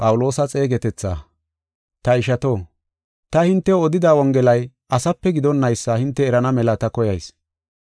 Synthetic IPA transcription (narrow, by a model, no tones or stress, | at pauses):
pʼɐwʊlo̞ːsɐt͡sʼe̞ːɡɛt̪ɛt͡sːa̰ː | t̪ɐɪʃɐt̪o̞ː | t̪ɐhɪnt̪ːɛɔd̪ɪd̪awɔŋɡɛlɐj | ʔɐsɐpːɛɡɪd̪ɔnːɐjsːɐhɪnt̪ːɛːɾɐnɐmɛlɐt̪ɐkɔjɐjs